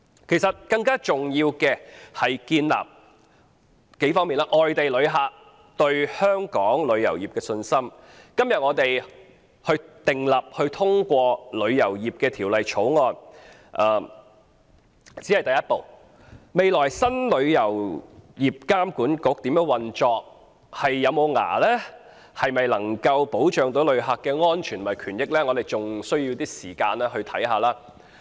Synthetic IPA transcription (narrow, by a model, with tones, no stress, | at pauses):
kʰe˨˩jsɐ˨t̚kɐ˧ŋkaː˥t͡sʊ˨ŋjiː˧wkɛː˧hɐ˨jkiː˧nla̰ː˨p̚ | ke˨˥jfɔː˥ŋmi˨nlaː˥ʔɔː˨˩jt̪e˨jlɵ˨˧ɥɦaː˨ | t̪ɵ˧ɥhœː˥ŋkɔː˨˥ŋlɵ˨˧ɥjɐ̰˨˩wjiː˨pkɛː˧sɵ˧nsɐ˥m | kɐ˥mjɐ˨t̚ŋɔː˨˧t̪e˨j | hɵ˧ɥt̪ɪ˨ŋlɐ˨p̚hɵ˧ɥt̪ʰʊ˥ŋkʷɔː˧lɵ˨˧ɥjɐ˨˩wjiː˨p̚kɛː˧t̪ʰiː˨˩wlɐ˨jt͡ʃʰo˨˥wŋɔː˧n | ʔɐː˨˩ | t͡siː˨˥hɐ˨jt̪ɐ˨jɐ˥t̚po˨w | me˨jlɔː˨˩jsɐ˥nlɵ˨˧ɥjɐ˨˩wjiː˨p̚kaː˥mkuː˨˥nkʊ˨˥k̚t̪iː˨˥mjœː˧˥ŋwɐ˨nt͡ʃɔː˧k̚ | hɐ˨jːɐ˨˧wmo˨˧wŋa̰ː˨˩lɛː˥ | hɐ˨jmɐ˨jlɐ˨˩ŋkɐ˧wpo˨˥wt͡ʃœː˨ŋt̪o˨˥wlɵ˨˧ɥɦaː˨kːɛː˧ŋɔː˥nt͡ʃʰyː˨˩n˨mɐ˨jkʰyː˨˩njɪ˥k̚lɛː˥ŋɔː˨˧t̪e˨jt͡sʊ˨ŋsɵ˥ɥjiː˧wt̪iː˥siː˨˩kaː˧nlɛː˥ɦɵ˧ɥt̪ʰɐ̰˨˥jɦaː˨˧laː˥